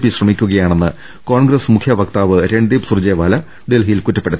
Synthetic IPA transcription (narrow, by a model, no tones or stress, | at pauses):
pːiɕrɐmikʲːuɣɐjaːɳe̞nːɨ | ko̞ːɳɡrɐsmukʰjɐʋɐkt̪aːʋɨɾeɳɖiːpsurd͡ʑeːʋaːlɐ | ɖelɦijilkutːɐpːe̞ɽut̪ː